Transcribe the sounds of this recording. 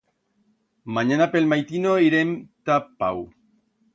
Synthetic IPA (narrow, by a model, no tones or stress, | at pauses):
maɲanapelmajt̪inoiɾemt̪apaw